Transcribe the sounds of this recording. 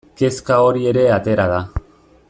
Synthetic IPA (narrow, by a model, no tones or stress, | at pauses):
ke̞skao̞ɾie̞ɾe̞at̪e̞ɾað̞a